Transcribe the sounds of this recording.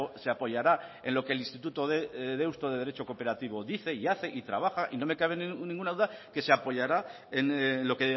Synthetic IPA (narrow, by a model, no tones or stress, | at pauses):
ose̞apo̞ʝaɾae̞nlo̞kelinst̪it̪ut̪o̞ðeðeust̪oðe̞ðe̞ɾe̞t͡ʃo̞ko̞pe̞ɾat̪iβ̞o̞ðiθe̞iaθe̞ʔit̪ɾa̰β̞axaʔino̞me̞kaβ̞e̞nnĩŋɡunað̞uðake̞se̞apo̞ʝaɾa | enloke